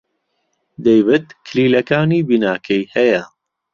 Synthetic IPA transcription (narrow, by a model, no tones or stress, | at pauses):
d̪ejbɨt̪kʰliːlɐkaːniːbinaːkʰɛjhɛjɐ